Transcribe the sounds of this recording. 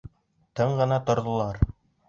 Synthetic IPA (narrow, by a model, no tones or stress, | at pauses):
t̪ɤɴɢɤ̆nɑt̪ŏɾðŏlˠɑɾ